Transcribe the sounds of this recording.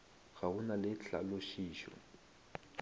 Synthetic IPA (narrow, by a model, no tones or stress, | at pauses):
ɣaunalɪt͡ɬʰa̰loʃiːʃɔ̰